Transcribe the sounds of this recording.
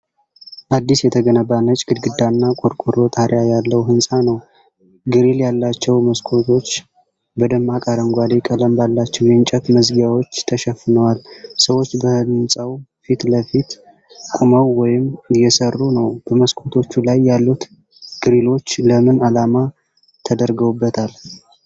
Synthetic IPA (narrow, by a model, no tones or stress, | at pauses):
ʔad̪ːisjɛt̪ʰəɡənəbanət͡ʃʼɡ̥ɨd̪ɡɨd̪ːanːakʼoɾkʼuɾo̞t̪ʰʼaɾjajalːəwɦɨnsʼanəw | ɡɨɾiljalːat͡ʃːɛwməskʰo̞t̪ʰo̞t͡ʃː | bəd̪əmakʼaɾəŋɡʷad̪ekʼələmbalːat͡ʃːɛwjɛnt͡ʃʼɛt̪məzɡjawo̞t͡ʃːt̪ʰəʃɛfːɨnəwalsəwo̞t͡ʃːbəɨnsʼawfit̪ləfit̪ | kʼuməwːɔjɪmjɛsərːunəwb̥əməskʰot̪ʰo̞t͡ʃːulajːalːut̪ | ɡ̥ɨɾilo̞t͡ʃːləmɨnalama | t̪ʰəd̪əɾɡəwbːət̪ʰal